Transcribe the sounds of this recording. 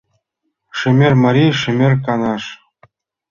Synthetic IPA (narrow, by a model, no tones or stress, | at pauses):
ʂɘ̆mʲerʲmɑɾʲiʂɘ̆mʲerʲkɑnɑʂ